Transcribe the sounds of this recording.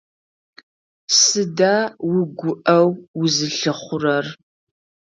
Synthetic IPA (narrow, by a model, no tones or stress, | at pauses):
sɨdaːwʊɡʷʊʔɐwwʊzɨɬɨχʷʊrɐr